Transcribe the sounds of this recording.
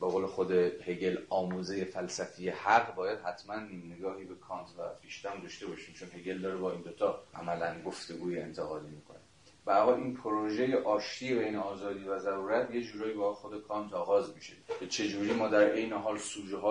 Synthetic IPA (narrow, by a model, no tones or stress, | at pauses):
be̞ɣoːle̞xo̞d̪eheɡe̞lɒːmuːzejefælsæfijehæɡbɒːjæd̪̥hæt̪ʰmænːiːmne̞ɡɒːhiːbe̞kʰɒːnt̪ʰvæ̰fiʃt̪æmd̪ɒʃt̪e̞bɒːʃiːmt͡ʃʰo̞nɦe̞ɡe̞ld̪ɒːɾebɒːiːnd̪ot̪ʰɒːʔæ̰mælænɡoft̪e̞ɡuːjeḛnt̪ʰe̞ɣɒːd̪iːmiːkʰo̞̰ne | b̥æɾɦɒlʔiːnpʰoɾoʒe̞jeʔɒːʃt̪ʰiːbejneɒːzɒːd̪iːvæzæɾuːɾæt̪ʰje̞d͡ʒuːɾɒːjibɒxo̞d̪e̞kʰɒːnt̪ʰɒːɣɒːzmiʃecʰet͡ʃʰe̞d͡ʒuːɾiːmɒːd̪æɾʔe̞jneɦɒːlsuːd͡ʒɦɒː